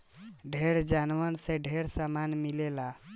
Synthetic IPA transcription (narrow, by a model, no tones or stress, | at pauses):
ɖʱeɾd͡ʒanʋənsẽɖʱeɾsamanmilela